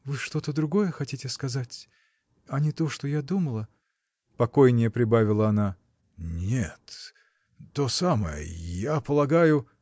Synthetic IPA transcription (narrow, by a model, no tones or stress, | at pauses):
vɨʂt̪o̞t̪əd̪ɾʊɡo̞jəxɐtʲitʲɪskɐzatʲ | ɐnʲɪt̪o̞ʂt̪ojad̪uməlˠə | pɐko̞jnʲɪjəpɾʲɪbavʲɪlˠəɐna | nʲet̪ː | o̞samə̰jə̰japəlˠɐɡajʊ